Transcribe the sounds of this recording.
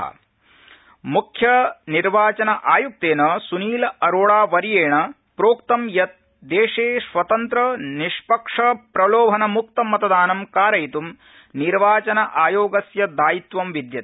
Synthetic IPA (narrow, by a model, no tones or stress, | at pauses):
ɐ̰ | mukʰjɐniɾʋaːt͡ʃɐnɐʔaːjuk̚t̪eːnɐsuniːlɐɐɾoːɭaːʋɐɾjeːɳɐ | pɾoːkt̪ɐmjɐt̪̚ | d̪eːʂeːʃʋɐt̪ɐnt̪ɾɐniʃpɐkʂɐpɾɐloːbʱɐnɐmukt̪ɐmɐt̪ɐd̪aːnɐmkaːɾɐjt̪um | niɾʋaːt͡ʃɐnɐʔaːjoːɡɐsjɐd̪aːjit̪ʋɐmʋid̪jɐt̪